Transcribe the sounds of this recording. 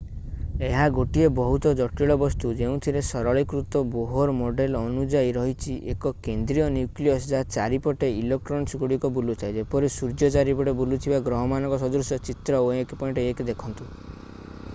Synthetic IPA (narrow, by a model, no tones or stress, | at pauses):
eɦaɡoʈiebɔɦut̪ɔd͡ʒɔʈiɭɔbɔst̪ud͡ʒeũt̪ʰiɾesɔɾɔɭikɾut̪ɔboɦoɾmoɖelɔnud͡ʒaiɾɔɦit͡ʃʰiʔekɔkend̪ɾiɔnjukliɔsd͡ʒat͡ʃaɾipɔʈeilek̚ʈɾɔnsɡuɽikɔbulut̪ʰaed͡ʒepɔɾesuɾd͡ʒɔt͡ʃaɾipɔʈebulut̪ʰibaɡɾɔɦɔmanɔkɔsɔd̪ɾusjɔt͡ʃit̪ɾɔoekpɔj̃ʈeekd̪ekʰɔnt̪u